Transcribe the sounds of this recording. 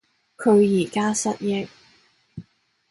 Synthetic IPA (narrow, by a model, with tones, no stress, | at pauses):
kʰɵ˨˧ɥjiː˨˩kaː˥sɐ˥t̚jɪ˥k̚